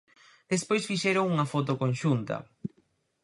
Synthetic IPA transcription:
d̪̥espojsfiʃɛɾoŋuŋɐfot̪̬okonʃunt̪ɐ̰

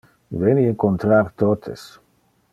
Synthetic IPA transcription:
venieŋkont̪ɾaɾt̪ot̪ʰḛs

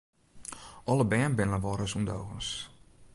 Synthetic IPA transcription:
ʔɔlˠəbɛːnbɪnləʋɔɾəsundowɣəns

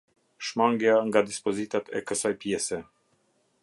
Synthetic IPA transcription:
ʃmaŋɡjaŋɡad̪ispɔzit̪at̪ʰɛ̰kəsajpjɛsɛ

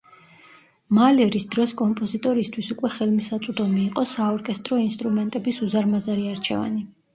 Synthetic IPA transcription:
malɛɾisd̪ɾɔskʼɔmpʼɔzit̪ʼɔɾist̪ʰwisukʼwɛχɛlˠmisat̪sʼud̪ɔmiːqʼɔsaɔɾkʼɛst̪ʼɾɔinst̪ʼɾumɛnt̪ʼɛbisuzaɾmazaɾiaɾt͡ʃʰɛ̰va̰ni

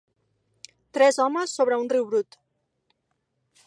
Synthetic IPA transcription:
t̪ɾɛzɔməsːoβɾəunriwβɾut̪

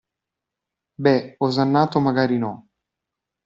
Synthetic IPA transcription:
bɛozanːaːt̪omaɡaːɾinɔ

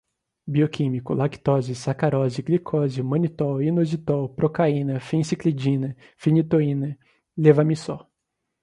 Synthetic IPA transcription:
biokʰĩmikʊlaki̥t̪ɔzɪsakaɾɔzɪɡlikʰɔzɪmɐ̃nit̪ɔinozit̪ɔpɾokaĩnɐfĩsikled͡ʒĩnɐ | finit̪oĩnɐ | levɐmisɔ

